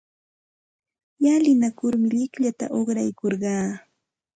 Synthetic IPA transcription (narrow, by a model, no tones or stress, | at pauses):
jalɪnakʊɾmɪʎɪkʎat̪a̰ʔoχɾajkoɾɢɑː